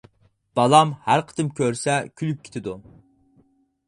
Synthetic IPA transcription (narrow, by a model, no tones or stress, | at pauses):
b̥ɑlˠɑmhæɾqʰə̥t̪ɨmkʲʰøɾsɛkʲʰylyp̚kʲʰe̥t̪ʰɪd̪u